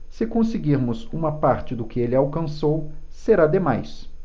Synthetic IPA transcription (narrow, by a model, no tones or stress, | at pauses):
sɪkõsɪɡiɾmʊzũmɐpaɾt͡ʃɪd̪ʊkɪelɪawkɐ̃sowseɾad̪emajs